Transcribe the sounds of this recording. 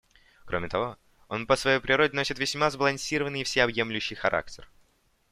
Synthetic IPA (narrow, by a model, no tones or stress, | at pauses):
kɾʔomʲɪt̪ɐvo̞ | o̞npəsvɐjejpɾʲɪɾo̞dʲɪno̞sʲɪt̪vʲɪsʲmazbəlˠɐnʲsʲiɾəvənːɨjfsʲeɐbje̞mlʲʉɕːɪjxɐɾʔa̰k̚tʲɪr